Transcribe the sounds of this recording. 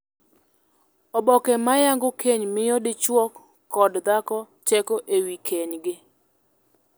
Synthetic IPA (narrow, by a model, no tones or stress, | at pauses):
ɔbɔkɛmajaŋɡokeɲmɪjɔdɪt͡ʃwɔkː | ɔdd̪akɔ | t͡ʃɛkoʔewikʰeɲɡɪ